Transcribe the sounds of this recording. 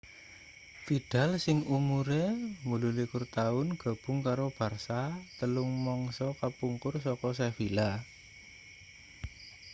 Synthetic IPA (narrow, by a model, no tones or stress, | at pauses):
fiɖ̥a̤lsɪŋumuɾemululikʊrt̪aʊnɡ̥a̤b̥ʊ̤ŋkaɾob̥a̤rsat̪əlʊŋmɔŋsɔkapuŋkʊrsɔkɔs̬ɛfila